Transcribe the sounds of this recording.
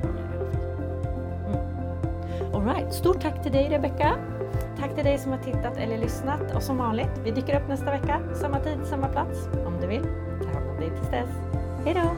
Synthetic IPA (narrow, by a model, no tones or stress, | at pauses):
ʔɔlɾaɪt̪st̪uːʈʰːakːt̪ʰɪld̪ɛjɾɛbɛkːa | t̪ʰakːt̪ʰɪld̪ɛjsɔmhaʈʰɪt̪ːat̪ɛ̰lːəɭʏsnat̪ʰɔ̰sɔmvɑːnlɪɡt̪vɪd̪yːkːəɾɵpːnɛst̪avɛkːa | samːat̪ʰiːd̪samːapʰlat̪sɔmd̪ɵvɪl | t̪ʰɑɔmd̪ɛjt̪ʰɪlsd̪ɛs | hɛjd̪o